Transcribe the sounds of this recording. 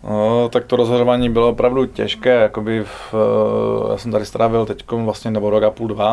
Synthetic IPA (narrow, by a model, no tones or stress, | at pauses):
not̪ak̚t̪oɾozɦoʒovaːɲiːbɪloopɾavducɛ̰ʃkɛːjakobɪf | ja̰ːsɛmt̪adɪst̪ɾʔaːvɪlt̪ɛckomvlast̪ɲɛnɛboɾokapuːldva